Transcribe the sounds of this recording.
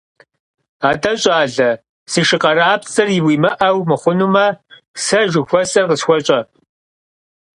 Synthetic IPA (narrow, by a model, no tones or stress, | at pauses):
aːtʼɐɕʼaːɮɐ | siʃɨqɐraːpt͡sʼɐrjɪwiːmɐʔɐwmɨχʷʊnumɐ | sɐʒɨxʷɔsʼɐrqəsxʷɔɕʼɐ